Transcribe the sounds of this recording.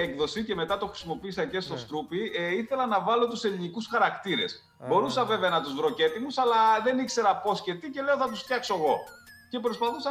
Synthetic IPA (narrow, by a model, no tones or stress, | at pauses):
ekðo̞sice̞me̞t̪ɐt̪oxɾi̥simo̞piisɐce̞st̪o̞st̪ɾupiiθe̞lɐnɐvɐlo̞t̪use̞linikusxɐɾɐkt̪iɾe̞s | bo̞ɾusɐve̞veɐnɐt̪uzvɾo̞ce̞t̪imusɐlɐðe̞nikse̞ɾɐpo̞sce̞t̪ice̞le̞oθɐt̪usft̪çɐkso̞eɣo̞ | ce̞pɾo̞spɐθusɐ